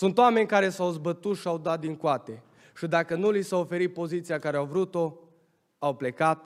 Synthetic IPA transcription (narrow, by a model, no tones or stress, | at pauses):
sunt̪oame̞nʲkaɾe̞sawzbət̪ut̪ʃiawd̪at̪̚d̪iŋkwat̪e̞ | ʃid̪akənulisaofe̞ɾit̪̚po̞zit̪siakaɾeawvɾut̪o̞ | awple̞kat̪̚